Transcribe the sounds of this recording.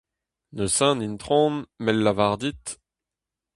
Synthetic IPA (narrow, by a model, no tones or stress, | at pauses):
nəsɛ̃nint̪χɔ̃ːnmɛlːavaʁd̪it̪